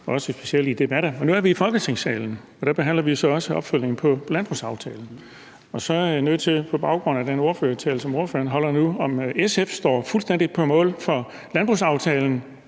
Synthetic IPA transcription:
ɒ̽ɒ̽səsb̥e̝siel̰did̥e̝b̥æɾ̥əɒnuæɐʋiːfɒ̽lɡ̥ət͡sʰe̝ŋsɛ̰ːln̩ | ɒ̽d̥æb̥e̝ɦæn̰lɐʋiosɒ̽ɒ̽səɒ̽b̥føl̰je̝ŋn̩pʰɒ̽lænb̥ʁusɑ̈ʊt͡sʰɛ̰ːln̩ | ɒ̽sɒ̽æɐjinøð̰ˠt͡sʰe̝pʰɒ̽b̥ɑ̈ʊɡ̥ʁɔ̽n̰ædeno̝ɐfø̰ːɐt͡sʰɛːləsɒ̽mo̝ɐfø̰ːɐnɦɒ̽l̰ɐnuɒ̽mesefsd̥ɒ̰ːfulsd̥en̰d̥i̥pʰɒmɔ̰̽ːlfɒ̽ | lænb̥ʁusɑ̈ʊt͡sʰɛːln̩

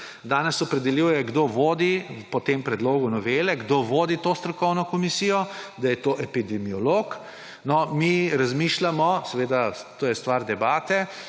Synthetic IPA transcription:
d̪aːnɛsɔpɾɛd̪ɛljujɛɡd̪oːʋoːd̪ipɔt̪empɾɛd̪loːɡunɔʋeːlɛɡd̪oːʋoːd̪it̪oːst̪ɾɔkɔwnɔkɔmisijɔd̪ajɛt̪oːʔɛpid̪ɛmiɔloːk | nɔmiɾazmiːʃlamɔsɛʋeːd̪at̪oːjɛst̪ʋaːɾd̪ɛbaːt̪ɛ

